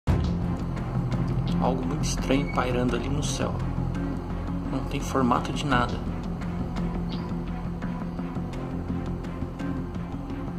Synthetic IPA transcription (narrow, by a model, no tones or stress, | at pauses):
a̰wɡʊmũj̃t̪ʊist̪ɾɐ̃ɲʊpajɾɐ̃nd̪ʊalinʊsɛ̰w | nɐ̃w̃t̪ẽj̃foɾma̰t̪ʊd͡ʒɪnad̪ɐ